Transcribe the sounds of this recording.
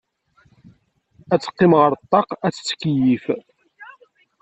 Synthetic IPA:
æt͡sːə̥qːɪmʁəɾt̪ˤːɑqæt͡sːə̥t͡sːkːəjif

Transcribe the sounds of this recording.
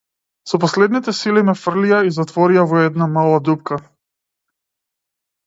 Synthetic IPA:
sɔpɔslɛd̪nit̪ɛsilimɛfr̩liaizat̪vɔɾiavɔɛd̪namalˠad̪up̚ka

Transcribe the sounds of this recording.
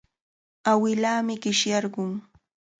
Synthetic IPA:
awɪlaːmɪɢɪʃjɑɾɢʊŋ

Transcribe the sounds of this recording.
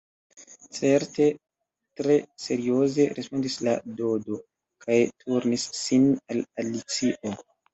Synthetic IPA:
t͡se̞ɾte̞ | tɾe̞se̞ɾio̞ze̞ɾʔespo̞ndislado̞do̞ | kʰajtʰuɾnisːinalalit͡siʔo̞

